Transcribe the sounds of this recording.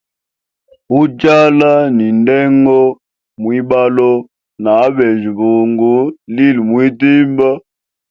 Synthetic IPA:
u˦d͡ʒa˦la˦ni˨ndɛ˦ŋɡɔ˦ | mwi˦ɓa˦lɔ˦ | na˨˦bɛ˨ʒi˨bu˨ŋɡu˨˦li˦lmwi˦di˦mba˦

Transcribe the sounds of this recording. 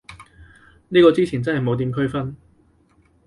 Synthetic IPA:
niː˥kɔː˧t͡siː˥t͡sʰiː˨˩nt͡sɐ˥nɦɐ˨jmo˨˧wt̪iː˨˧mkʰɵ˥ɥfɐ˥n

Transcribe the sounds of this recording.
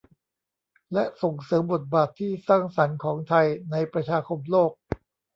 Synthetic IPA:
lɛ˦˥ʔso˨˩ŋsɤː˩˦mbo˨˩t̪̚baː˨˩t̪ʰːiː˥˩saː˥˩ŋsa˩˦nkʰɔː˩˦ŋt̪ʰa˧jna˧jpɾa˧t͡ɕʰaː˧kʰo˧mloː˥˩k̚

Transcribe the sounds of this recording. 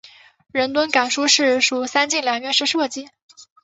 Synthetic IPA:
ɻə˧˥nt̪̬wə˥nka˨˩nʂu˥ʂɻ̩˥˩ʂu˨˩sa˥nt͡ɕi˥˩ŋljɑ˨˩ŋɥɛ˥nʂɻ̩˥˧ʂɤ˥˧t͡ɕi˥˩

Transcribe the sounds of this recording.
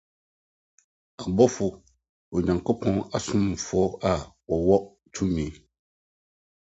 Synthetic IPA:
a˨bɔ˦fʊ˨ | o˨ɲa˨ŋ˨kɔ˦pɔ̃˦ŋa˨sʊ˦m˨fɔ˨˦a˦˨wɔ˨wɔ˦ | tʰu˦miː˨˦

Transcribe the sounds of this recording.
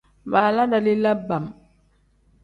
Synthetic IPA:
βa˨la˦da˨li˦la˦ba˨m

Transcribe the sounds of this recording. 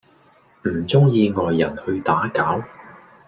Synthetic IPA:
m̩˨˩t͡sʊ˥ŋjiː˧ŋɔː˨˩jːɐ˨˩nhɵ˧ɥt̪aː˨˥kaː˨˥w

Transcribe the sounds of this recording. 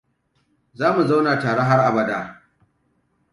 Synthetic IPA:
zaː˦mu˨za˦wna˨taː˨ɽe˦ɦa˦rʔa˨bɐ˦da˨

